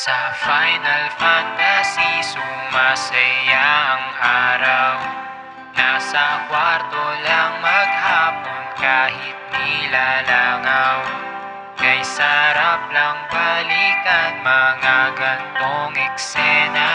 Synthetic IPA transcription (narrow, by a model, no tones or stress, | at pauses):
sɐfajnɐlfant̪ɐsisumasɐjaɐŋʔaːɾaw | nasɐkwaɾt̪olaŋmɐɡ̚haːponkaːhɪt̪̚nɪlalaŋaw | kɐjsɐɾap̚lɐŋbɐliːt̪ɐnmɐŋaɡɐnt̪oŋɛksɛnɐ